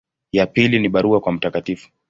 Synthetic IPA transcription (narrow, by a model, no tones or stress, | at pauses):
japiliniɓaɾuakwam̩takatifu̥